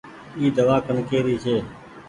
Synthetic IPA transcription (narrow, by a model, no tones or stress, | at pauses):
iːd̪əʋaːkənkeːɾiːt͡ʃʰeː